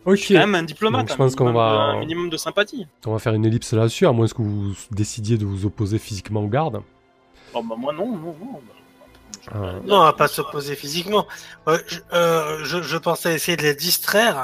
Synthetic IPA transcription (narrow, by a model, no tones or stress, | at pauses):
ɔkʰemɛmɛ̃d̪iplɔmdatk̪ʒəpɑ̃səkɔ̃vãminimɔmd̪əsɛ̃pat̪ikɔ̃vafɛʁynelipsəlad̪əsyamwɛ̃ɛskəvud̪esid̪jed̪əvuzɔpozefizikmɑ̃ɡaʁd̪ | ɔbamwɛ̃nɔ̃nɔ̃nɔ̃bã | anɔ̃vapasɔpozefizikmɑ̃øʒøʒəʒəpɑ̃sɛaesejed̪əled̪ist̪χɛʁ